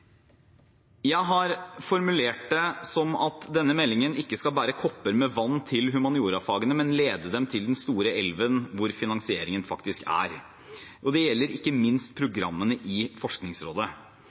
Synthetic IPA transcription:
jæɪɦɑɾfɔɾmʉleːʈ̚d̪ɛsɔmɑt̪d̪ɛnːəmɛlːɪŋənɪkːəskɑlbæːɾəkʰɔpːəɾmɛʋɑnːt̪ʰɪlɦʉmɑnɪuːɾɑfɑːɡənəmɛnleːd̪əd̪ɛmt̪ʰɪld̪ɛnst̪uːɾəɛlʋənʋʊɾfɪnɑŋsɪeːɾɪŋənfɑkt̪ɪskæ̰ɾ | ʔɔd̪ɛjɛlːəɾɪkːəmɪnst̪pʰɾʊɡɾɑ̰mːənəʔɪfɔʂknɪŋsɾo̰ːd̪ə

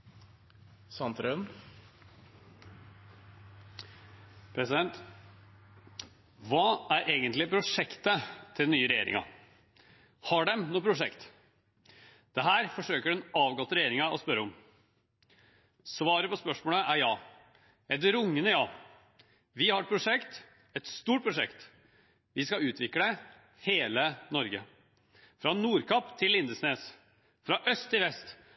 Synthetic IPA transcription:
sɑnt̪ɾœn | pʰɾɛsɪd̪ɛnt̪ | ʋɑːæɾʔeːɡənt̪lɪpʰɾʊʂɛkt̪ət̪ʰɪnyːəɾɛjḛːɾɪ̰ŋɑ̰ | hɑɖɛmnuːpɾʊʂɛkt̪ | d̪̥ɛɦæːɾfɔʂøːkəɖɛnɑːʋɡɔt̪ːəɾɛjeːɾɪŋɑʔɔ̰spœɾːəɔm | sʋɑːɾəpɔspœʂmoːləʔæɾjɑː | ɛd̪əɾʊŋːənəjɑː | ʋɪhɑɾʈ̪̚pʰɾʊʂɛkt̪ | ɛt̪st̪uːʈ̚pʰɾʊʂɛ̰kt̪ | ʋɪskɑʉːt̪ʰʋɪklə | heːlənɔɾɡə̰ | fɾɑnuːɾkʰɑpt̪ʰɪlːɪnd̪əsneːs | fɾɑʔœst̪ʰːɪlʋɛst̪

